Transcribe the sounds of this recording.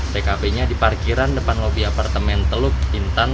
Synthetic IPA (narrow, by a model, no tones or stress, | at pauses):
t̪ekapeɲadiparkiɾandəpanlobiapart̪əmɛnt̪əlʊk̚int̪an